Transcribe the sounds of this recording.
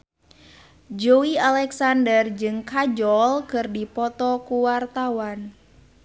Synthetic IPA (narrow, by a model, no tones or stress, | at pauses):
d͡ʒoialɛksandərd͡ʒɨŋkad͡ʒɔlkɨrdipɔt̪ɔkuwart̪awan